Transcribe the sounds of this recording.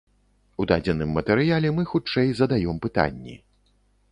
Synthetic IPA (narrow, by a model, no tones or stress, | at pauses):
ud̪ad͡zʲɛnɨmːɐt̪ɛɾɨjalʲɛmɨxut͡ʂɛjzɐd̪ajɔmpɨt̪a̰nʲːḭ